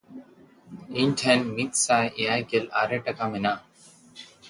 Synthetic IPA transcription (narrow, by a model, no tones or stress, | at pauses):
iɲʈʰɛnmit̪̚sajʔijajɡela̰ɾeʈakamɛna